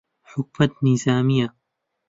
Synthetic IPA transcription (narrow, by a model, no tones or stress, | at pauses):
ħʊk̚mat̪nizaːmɪjːa